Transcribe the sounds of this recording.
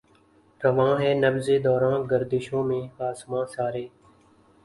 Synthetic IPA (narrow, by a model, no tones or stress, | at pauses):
ɾəʋãːɦɛːnəbzeːd̪ɔːɾãːnɡəɾd̪ɪʃõːmẽːaːsmãːsaːɾeː